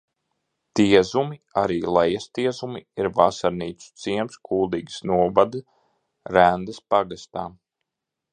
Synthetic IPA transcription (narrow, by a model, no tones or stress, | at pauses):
t̪iɛzumiaɾiːlˠɛjast̪iɛzumiiɾvasaɾniːt̪su̥t̪siɛmskʰuːd̪iːɡsnuɔvad̪ɨ | ɾænd̪ɨspaɡast̪aː